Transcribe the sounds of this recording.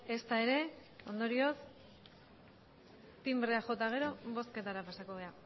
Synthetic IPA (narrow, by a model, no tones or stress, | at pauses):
e̞st̪ae̞ɾe̞o̞nd̪o̞ɾio̞s | p̪imbreaxo̞t̪aɣ̞e̞ɾo̞βo̞sket̪aɾapasako̞βe̞a